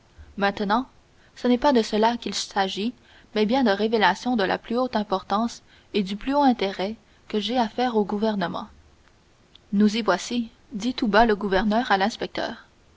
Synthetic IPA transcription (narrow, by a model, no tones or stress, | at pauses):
mɛ̃t̪nɑ̃ | sənɛpad̪əsəlakʲilsaʒi | mɛbjɛ̃d̪əʁevelasjɔ̃d̪əla̰plyoːt̪ɛ̃pɔʁt̪ɑ̃s | ed̪yplyoɛ̃t̪eʁɛ | kəʒeafɛːʁoɡuvɛʁnəmɑ̰̃ | nuzivwasi | d̪it̪ubaləɡuvɛʁnœːʁalɛ̃spɛk̚t̪œ̰ːʁ